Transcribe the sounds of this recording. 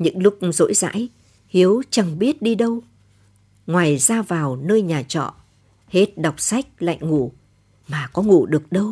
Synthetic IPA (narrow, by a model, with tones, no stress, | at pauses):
ɲɨ̰˧˥ŋlʊ˦˥k͡p̚zo̰˧˥jza̰ː˧˥j | hi˨˦əwt͡ɕa˨˩ŋɓi˦˥ət̚ɗi˧ɗə˧w | ŋwaː˨˩jzaː˧vaː˨˩wnəː˧jɲaː˨˩t͡ɕɔ̰˧˨ | he˦˥t̚ɗa˨˩wk͡p̚sa˦˥jk̚la̰˧˨jŋu˧˩ | maː˨˩kɔ˨˦ŋu˧˩ɗɨ˨˩ək̚ɗə˧w